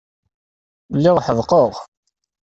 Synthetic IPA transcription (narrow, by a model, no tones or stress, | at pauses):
lːiʁħəðˤqoʁ